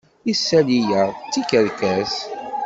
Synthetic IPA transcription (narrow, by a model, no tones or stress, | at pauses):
isːælijæʁt͡sːikəɾkæz